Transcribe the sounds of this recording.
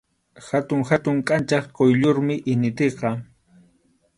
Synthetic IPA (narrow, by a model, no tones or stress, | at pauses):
xat̪ʊŋxat̪ʊŋkʼant͡ʃɑχkojʎoɾmɪʔɪnɪt̪eqɑ